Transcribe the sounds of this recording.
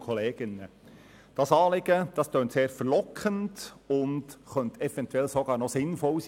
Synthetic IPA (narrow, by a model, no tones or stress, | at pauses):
kʰɔleːɡ̥ɪnə | d̥ɑsɑːlɪɡ̥əd̥ɑstøːntseːɾfəɾlɔkʰəndʊndχœntɛfɛntuɛlsɔɡɑːɾnɔsɪnfɔls